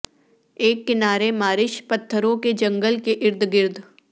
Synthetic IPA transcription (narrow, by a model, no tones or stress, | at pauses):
eːkːɪnaːɾemaːɾɪʃpɐt̪ʰːəɾõked͡ʒɐ̃ŋɡəlkeʔɪɾd̪ʱɡɪɾd̪ʱ